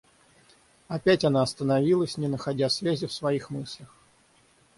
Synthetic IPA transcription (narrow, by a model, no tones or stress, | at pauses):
ɐpʲætʲɐn̪aɐst̪ənɐvʲilˠəsʲnʲɪnəxɐdʲasvʲæzʲɪfsvɐixmɨsʲlʲəx